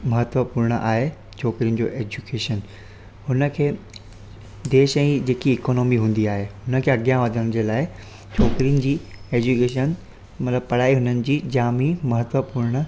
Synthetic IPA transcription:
mɐɦət̪ʋəpuːɾɽ̃əʔa̰ːɦe | t͡ɕʰɔːkɾijənɪ̆d͡ʑo̰ːʔeːd͡ʑukeːʃən | hʊnə̆kʰeː | d̪eːʃɛ̃ːd͡ʑeːkiɪkoːnoːmiɦũːn̆d̪iaːɦeɦʊnəkʰeːɐɡjãʋɐd̪ʱəɽ̃̆d͡ʑeːlaːɪ | t͡ɕʰɔːkɾijənɪ̆d͡ʑiːeːd͡ʑukeːʃən | mɐt̪ləb̚pɐɽ̤aːiɦʊnənɪ̆d͡ʑiːd͡ʑaːmimɐɦət̪ʋəpuːɾɽ̃ə

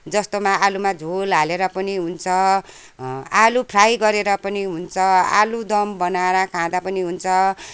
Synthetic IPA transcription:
d͡zʌst̪omaʔalumad͡zʱolɦaleɾʌpʌniɦunt͡sʰʌ | alupʰrajɡʌɾeɾʌpʌniɦunt͡sʰʌa̰lud̪ʌmbʌnaɾakʰãd̪apʌniɦunt͡sʰʌ

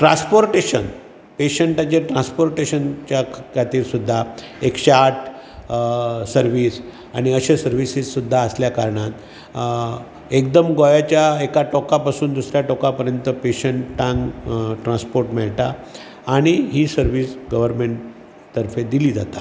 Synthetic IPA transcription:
ʈɾã̰spoɾʈeɕən | peɕəɳʈãt͡ɕeʈɾãspoɾʈeɕənt͡ɕjakʰkʰat̪iːɾsud̪ʱːa | ekɕeaʈʰ | səɾʋiːs | aɽ̃iəɕesəɾʋisisːud̪ʱːaəsljakaɾɳat̪ | ek̚d̪əmɡɔjat͡ɕjaekaʈɔkapasuːnd̪usɾjaʈɔkapəɾjənt̪əpeɕəɳʈʈːãŋɡʈɾãnspoɾʈmɛɭʈ̪aː | ɽ̃iɦiːsəɾʋiːsɡəʋəɾmeɳʈ | t̪ːəɾfed̪iliːd͡za̰t̪a

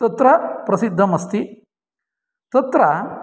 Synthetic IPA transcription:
t̪ɐt̪ɾɐpɾɐsid̪ʱːɐmɐst̪i | t̪ɐt̪ɾɐ

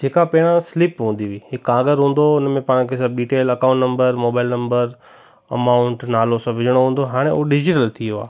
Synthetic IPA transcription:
d͡ʒeːkapɛːɽ̃ãsɪlɪpɦũːnd̪iʋiɦɪkãːɡəɾɦũːn̆d̪oʊnmẽpaːɽ̃kʰesɐb̚ɖiːʈeːlɐkaʊ̃ɳʈnɐ̃mbəɾmoːbaːɪlnɐ̃mbəɾ | ɐ̰maːʊɳʈnaːlosãʋɪd͡ʑɽ̃oɦũːn̆d̪oɦaːɽ̃eoɖɪd͡ʑɪʈəlt̪ʰijoa̰ː

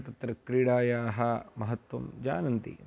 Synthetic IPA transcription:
t̪ɐt̪ɾɐkɾiɽaːjaːɦɐmɐɦɐt̪wɐmd͡ʒa̰ːnɐnt̪ḭ

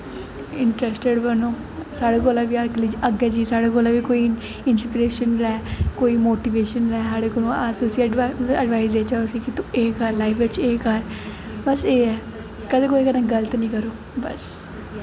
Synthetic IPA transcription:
ɪɳʈɾɛːsʈeɖbənoː | saːɽeːkoːlãʋiːaɾklid͡ʒəɡɛːd͡ʒiːsaːɽeːkoːlaːʋiːkoːi | ɪnspɪɾeːʃənlɛːkoːiːmoːʈiːʋeːʃənlɛːɦaːɽeːkoːnũasʊsiəɖʋaːizd̪eːt͡ʃasiːkit̪ũeːkəɾlaːifʋɪt͡ʃeːkəɾ | bəseːɛː | kəd̪eːkoːiːkənãɡələt̪nĩːkəɾoː | bə̰s

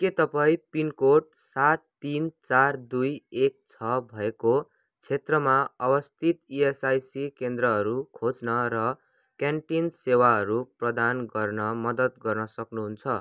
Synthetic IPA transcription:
ket̪ʌpaĩpinkoʈ̚ | sat̪ːint͡sard̪ujek̚t͡sʰʌbʱʌeko | t͡sʰet̪rʌmaʌbʌst̪ʰit̪iesajsikend̪ɾʌɦʌɾukʰot͡snʌɾʌ | kjanʈinsewaɦʌɾuprʌd̪anɡʌrnʌmʌd̪ʌt̪̚ɡʌrnʌsʌknuɦunt͡sʰʌ

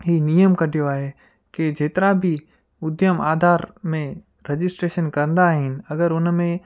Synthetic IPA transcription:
ɦiːnijəmkɐɖʱijoaːɦe | ked͡ʑeːt̪ɪɾabʱɪ | ʊd̪ʱjəma̰ːd̪ʱaːɾmẽ | ɾɐd͡ʑɪsʈɾeːʃənkɐɾə̃nd̪aːɦɪnɪ̆ɐɡəɾʊnmẽ

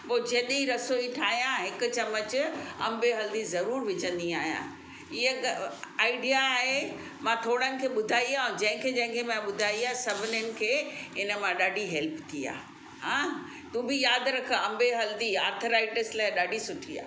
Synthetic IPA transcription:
poːd͡ʑɐ̃ːɗ̪eiɾɐsoiʈʰaːɦijãɦɪkʊ̆t͡ɕɐmət͡ɕʊɐ̰̃mbeɦɐld̪izɐɾuːɾʋɪd͡ʑə̃nd̪ia̰ːɦijã̰ | ɪɦeaːɪɖijaːɦe | mãʈʰoːɽənɪ̆kʰeːɓʊd̪ʱaːiãːd͡ʑɐ̃ɦɪ̃kʰed͡ʑɐ̃ɦɪ̃ŋkʰemãɓʊd̪ʱaːiaːɦesɐbʱɪnənɪ̆kʰeːɪnə̆mãɗaːɖʱiɦɛlpt̪ʰia̰ː | ɦãː | t̪ũːbɪjaːd̪ɾɐkʰəɐ̃mbeɦɐld̪iaːɾt̪ʰəɾaːɪʈɪslaːɪɗaːɖʱisʊʈʰia̰ː

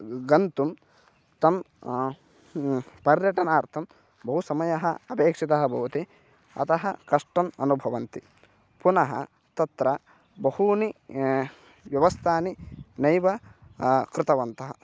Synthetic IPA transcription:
ɡɐnt̪um | t̪ɐm | pɐɾjɐʈɐnaːɾt̪ʰɐm | bɐɦusɐmɐjɐɦɐɐpeːkʂit̪ɐɦɐbʱɐʋɐt̪i | ɐ̰t̪ɐɦɐkɐʂʈɐmɐnubʱɐʋɐnt̪i | punɐɦɐ̰ | t̪ɐt̪ɾɐ | bɐhuni | ʋjɐʋɐst̪ʰaːninɐjʋɐ | kɾɪt̪ɐʋɐnt̪ɐɦɐ

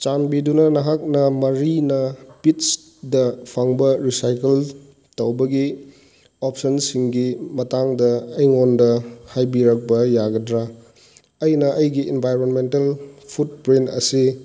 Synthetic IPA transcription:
t͡ʃanbidunɐnɐɦak̚nɐmɐɾinɐpits | dɐpʰaŋbɐɾisajkel | tɐwbɐɡi | op̚ʰsɐnsiŋɡimɐtaŋdɐːjŋondɐhajbiɾɐk̚pɐjaɡɐdɾa | ɐjnɐʔɐjɡiʔenbʱajɾonmentɐlpʰut̚pɾintɐ̰si

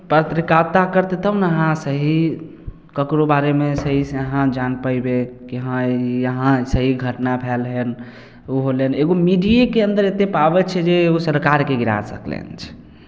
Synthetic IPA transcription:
pɾət̪ɾikat̪akəɾt̪et̪əbnəɦãsəɦi | kəkɾobaɾemesəɦisəɦãd͡ʒanpəibekiɦãjəɦãsəɦiɡʱəʈnapʰɛlɦɛn | uɦoleneɡomiɖijekeənd̪əɾet̪epabɛt͡ʃʰɛd͡ʒeosəɾkaɾkeɡiɾa̰səklɛ̰nt͡ʃʰɛ̥

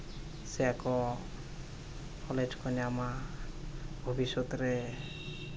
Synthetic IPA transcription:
sɛakɔ | kʰɔled͡ʒkʰɔnɛama | bʱobʱisɔt̪ɾɛ

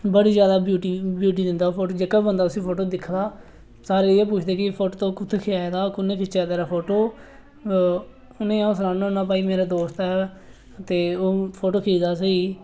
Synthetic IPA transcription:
bəɽiːzjaːd̪aːbjuːʈiːbjuːʈ̬iːd̪ɪnd̪aːoːpʰoːʈoːd͡ʒəkːəbə̃nd̪aːʊsĩːpʰoːʈoːd̪ɪkʰd̪aː | saːɾeːɪeːp̬uːt͡ʃʰd̪eːkɪpʰoːʈoːt̪õːkʊt̪ʰːekʰɪaːed̪aːokʊnẽːkʰɪt͡ʃaːd̪eːɾaːpʰoːʈoː | ʊnẽːãːʊsnãːnãnaːpaːiːmeːɾaːd̪oːst̪ɛː | t̪eːoːpʰoːʈoːkʰeːd̪aːsəiː

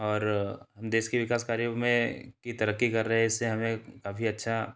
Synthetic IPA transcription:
ɔːɾɦɐmd̪eːʃkiʋɪkaːskaːɾjomẽkit̪ɐɾəkːikɐɾːɐɦɛɪsːeɦɐmẽkaːfʰiɐtːʃʰa

